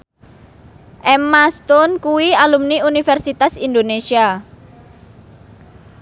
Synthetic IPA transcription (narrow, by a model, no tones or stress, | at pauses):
ʔɛmast̪ɔnkuwialumniunifɛrsit̪asind̪onesia